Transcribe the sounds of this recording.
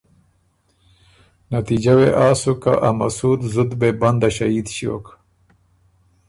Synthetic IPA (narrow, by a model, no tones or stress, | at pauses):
nat̪id͡ʒaweʔaːsuka̰ʔamasuːd̪zʊd̪beband̪aʃaid̪ɕio̰k